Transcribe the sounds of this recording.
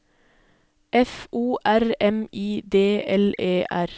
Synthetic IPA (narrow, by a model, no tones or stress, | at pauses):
ʔɛfʔuːʔæɾɛmʔiːd̪eːɛleːʔæɾ